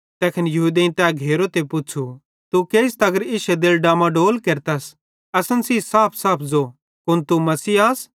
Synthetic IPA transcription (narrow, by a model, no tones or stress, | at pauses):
t̪ɛːkʰɪnjɐɦuːd̪ẽːnt̪ɛːɡʱeːɾot̪epʊt͡ʃʰu | t̪ukeːɪs̬t̪ɐɡəɾɪʃɛd̪eːlɖãːmãɖoːlkeːɾt̪ɐs | ɐsənsiːsaːpʰsaːpʰd͡zo | kʊnt̪umɐsiːaːs